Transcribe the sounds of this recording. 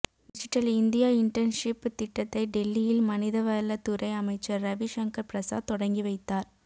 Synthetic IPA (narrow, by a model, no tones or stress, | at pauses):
ɖɪd͡ʒɪʈːɐlɪnd̪ɪjaːɪɳʈɾɐnʂɪpːt̪ɪʈːɐt̪ːɐɪɖɛlːijɪlmɐnɪðɐʋɐɾɐlɐt̪ːʊɾɐɪɐmɐɪt͡ʃːɐɾːɐʋiʃɐŋkɐɾpɪɾɐsa̰ːt̪ɔɽɐŋɡiʋɐɪt̪ːaːɾ